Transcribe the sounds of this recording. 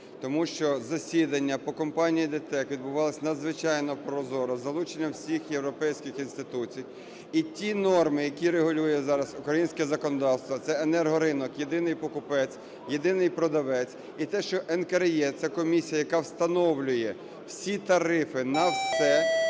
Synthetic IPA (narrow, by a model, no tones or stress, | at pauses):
t̪ɔmuʃt͡ʃɔzɐsʲid̪ɐnʲːɐpɔkɔmpɑnʲijid̪et̪ɛkʋʲid̪̚bʊʋɑlˠɐsʲnɐd̪zʋɪt͡ʃɑjnɔpɾɔzɔɾʊzɐlˠut͡ʃenʲːɐwsʲixjewɾɔpɛjsʲkʲɪxinst̪ɪt̪ut͡sʲij | itʲinɔrmɪjɐkʲiɾeɦʊlʲujɛzɑɾɐzʊkɾɐjinʲsʲkɛzɐkɔnɔd̪ɑwst̪ʋɐt̪sɛenɛrɦɔɾɪnɔkjed̪ɪnɪjpɔkʊpɛt͡sʲ | je̞d̪ɪnɪjpɾɔd̪ɐʋɛt͡sʲ | it̪ɛʃt͡ʃɔʔɛnkɐɾjɛt̪sɛkɔmʲisʲijɐjɐkɑwst̪ɐnɔwlʲʊjɛ | wsʲit̪ɐɾɪfɪnɐwsɛ